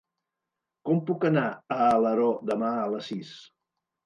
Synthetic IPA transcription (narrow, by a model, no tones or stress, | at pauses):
kɔmpukənaəːləɾɔd̪əmaələsis